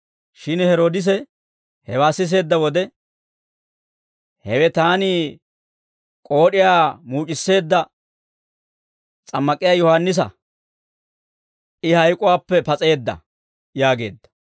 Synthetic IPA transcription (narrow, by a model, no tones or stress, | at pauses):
ʃɪnhɛɾo̞ːd̪ɪs̬ɛ | hɛwaːsːɪs̬e̞ːd̪ːɐwɔd̪ɛ | hɛwɛt̪aːnɪ | kʼo̞ːɗɪjaːmuːt͡ʃʼɪsːe̞ːd̪ːɐ | t͡sʼɐmːɐkʼɪjaːjɔhanːɪs̬ɐ̰ | ɪhɐjkʼʊwaːpːɛpɐt͡sʼe̞ːd̪ːɐ̰ | jaːɡe̞̰ːd̪ːɐ̥